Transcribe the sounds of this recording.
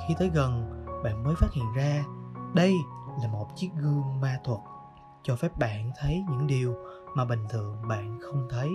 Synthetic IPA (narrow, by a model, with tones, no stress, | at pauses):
xi˧t̪əː˨˦jɣə˨˩nɓa̰ː˧˨nməː˨˦jfaː˦˥t̚hḭ˧˨ənzaː˧ɗə˧jlaː˨˩mo˨˩t̚t͡ɕi˦˥ət̚ɣɨ˧əŋmaː˧t̪ʰwə˨˩t̚ | t͡ɕɔ˧fɛ˦˥p̚ɓa̰ː˧˨nt̪ʰə˨˦jɲɨ̰˧˥ŋɗi˨˩əw | maː˨˩ɓï˨˩ŋ̟t̪ʰɨ̰˨əŋɓa̰ː˧˨nxə˧wŋ͡mt̪ʰə˨˦j